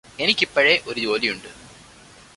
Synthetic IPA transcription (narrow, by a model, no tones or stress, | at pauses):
ɛnɪkːɪpːɐɻeːʔɔɾɯd͡ʒoːlijʊɳɖɯ